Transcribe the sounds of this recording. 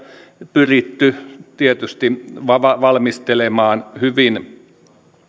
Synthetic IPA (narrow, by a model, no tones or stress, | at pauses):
pyrit̪ːyt̪iet̪yst̪iʋɑʋɑʋɑlmist̪elemɑːnhyʋin